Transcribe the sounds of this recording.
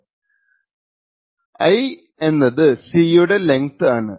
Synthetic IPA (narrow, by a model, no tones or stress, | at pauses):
ɐj | e̞nːɐðɨsiːjuɽe̞le̞ŋt̪aːɳɨ